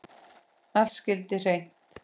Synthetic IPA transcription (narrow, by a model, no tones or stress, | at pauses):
ascɪlt̪ɪr̥ejn̥t̪